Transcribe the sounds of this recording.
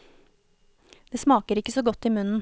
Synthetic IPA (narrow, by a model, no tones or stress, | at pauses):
d̪̥eːsmɑːkəɾɪkəsoːɡɔt̪ːiːmʉnn̩